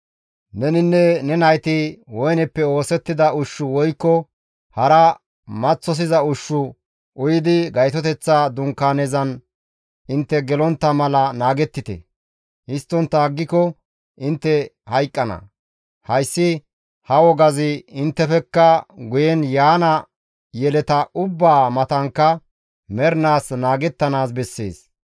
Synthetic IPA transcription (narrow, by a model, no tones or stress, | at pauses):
nɛnɪnːɛnɛnɐjt̪ɪwɔjnɪpːɛo̞ːsɛt̪ːɪd̪ɐʊʃːʊwɔjkːɔ | hɐɾɐ | mɐt͡sːɔs̬ɪzɐʊʃːʊ | ʔʊjɪd̪ɪɡɐjt̪ɔt̪ɛt͡sːad̪ʊŋkːaːnɛzɐn | ɪnt̪ːɛɡɛlɔnt̪ːɐmɐlɐnaːɡɛt̪ːɪt̪ɛ̰ | ʔɪst̪ːɔnt̪ːɐːɡːɪkɔ | ɪnt̪ːɛ | hɐjkʼːɐnɐ̰ | hɐjsːɪ | hɐwɔɡɐzɪɪnt̪ːɛfɛkːɐɡʊjɛnjaːnɐ | jɛlɛt̪ɐʔʊbːaːmɐt̪ɐŋkːɐ | mɛɾnaːsnaːɡɛt̪ːɐnaːsbɛsːḛːs